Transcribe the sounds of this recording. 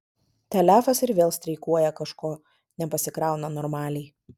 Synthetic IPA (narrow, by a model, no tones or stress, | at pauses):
t̪ʲɛlʲæːfɐsɪɾʋʲeːlˠsʲt̪ʲɾʲɛɪkuɔjɛkɐʃkoː | nʲɛpɐsʲɪkɾɑˑʊnɐnɔɾmɑːlʲɛɪ